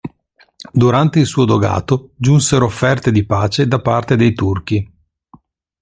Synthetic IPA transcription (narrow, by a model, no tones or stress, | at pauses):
d̪uɾant̪eilsuːod̪oɡa̰ːt̪od͡ʒunseɾoːfːɛrt̪ed̪ipaːt͡ʃed̪apart̪ed̪ejt̪urk̟i